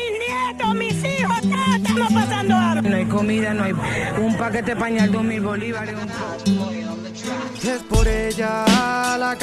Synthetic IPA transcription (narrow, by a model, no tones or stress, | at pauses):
in | ed̪omisiβat̪at̪amapasand̪oanõajkomiðanõajumpaket̪epaɲald̪oɦmilβoliβaɾeump | espoɾeʝala